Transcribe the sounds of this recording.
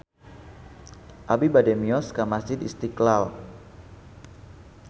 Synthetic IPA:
ʔabibadɛmiɔskamasd͡ʒɪd̪ist̪iklal

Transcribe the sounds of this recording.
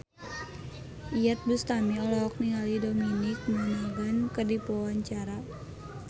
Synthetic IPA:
ʔijat̪̚bust̪amiɔlɔɔk̚niŋalidominik̚manaɡankədipɔwaɲt͡ʃaɾa

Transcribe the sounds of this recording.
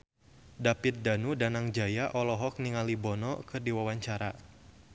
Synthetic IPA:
dapit̪̚danudanaŋd͡ʒajaʔɔlɔɦɔk̚niŋalibɔnɔkɨrdiwawaɲt͡ʃaɾa̰

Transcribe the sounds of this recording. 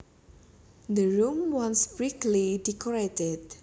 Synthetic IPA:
d̪əɹumwɔnsb̥ɾiklidikɔɾɛtɛd̪̚

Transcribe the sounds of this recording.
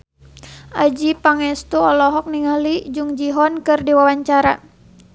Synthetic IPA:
ʔad͡ʒipaŋɛst̪uɔlɔɦɔk̚niŋalid͡ʒuŋd͡ʒiɦɔnkɨrdiwawaɲt͡ʃaɾa

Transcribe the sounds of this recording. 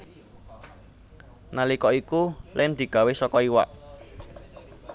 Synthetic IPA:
nalikɔikulɛmd̪̥i̤ɡ̥a̤wesɔkɔiwa̰ʔ

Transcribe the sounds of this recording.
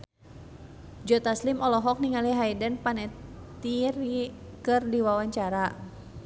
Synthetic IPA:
d͡ʒɔt̪aslimɔlɔɦɔk̚niŋaliɦaidɛnpanɛt̪irikɨrdiwawaɲt͡ʃaɾa

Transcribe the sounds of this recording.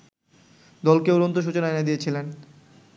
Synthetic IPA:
d̪ɔlkeuɾont̪oʃ̬ut͡ɕonaened̪ijet͡ɕʰilen

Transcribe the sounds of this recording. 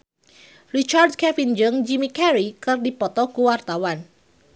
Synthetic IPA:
rit͡ʃardkɛfind͡ʒəŋd͡ʒimikɛɾikɨrdipɔt̪ɔkuwart̪awan

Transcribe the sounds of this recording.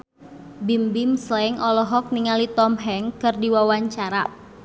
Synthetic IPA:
bimbimslɛŋɔlɔɦɔk̚niŋalit̪ɔmɦɛŋkɨrdiwawaɲt͡ʃaɾa

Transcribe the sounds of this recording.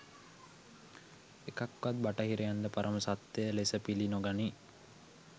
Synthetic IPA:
ekakʋat̪̚baʈəɦiɾejand̪əpaɾʔəməsat̪ːejəlesəpilinoɡani

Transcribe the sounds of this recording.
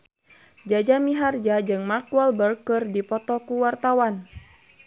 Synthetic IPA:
d͡ʒad͡ʒamiɦard͡ʒad͡ʒɨŋmakualbərkɨrdipɔt̪ɔkuwart̪awan

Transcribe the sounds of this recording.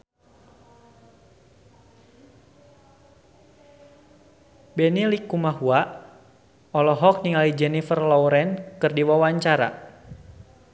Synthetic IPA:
bɛnilikumaɦuaʔ | ɔlɔɦɔk̚niŋalid͡ʒɛnifərlɔwɾɛnkɨrdiwawaɲt͡ʃaɾa̰

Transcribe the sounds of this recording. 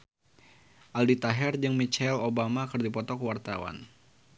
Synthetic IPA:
ʔaldit̪aɦɛrd͡ʒɨŋmit͡ʃɛlobamakɨrdipɔt̪ɔkəwart̪a̰wa̰n

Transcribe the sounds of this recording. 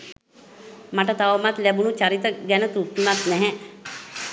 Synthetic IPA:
maʈət̪aʋəmat̪læbunut͡ʃaɾit̪əɡɛnət̪ut̪ːumat̪nɛɦɛ

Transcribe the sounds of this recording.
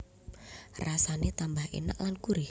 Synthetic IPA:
rasanet̪ambaɦḛnə̰ʔlankuɾɪ

